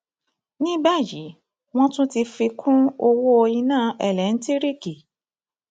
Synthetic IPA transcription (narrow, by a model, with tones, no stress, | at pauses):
nĩ˦ba˦˨ji˨˦ | w̃ɔ̃˦tũ˦ti˧fi˧kʰũ˦o˧wo˦o˧jĩ˧nãː˦˨ɛ˦˨lɛ˨˦n̩˦ti˦ɾi˦˨ki˨